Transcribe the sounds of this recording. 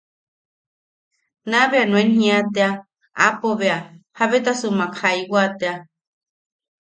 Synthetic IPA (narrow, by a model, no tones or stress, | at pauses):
nãβeanũẽnɦĩat̪ea | a̰poβeahaβet̪asumãkʰajwat̪ea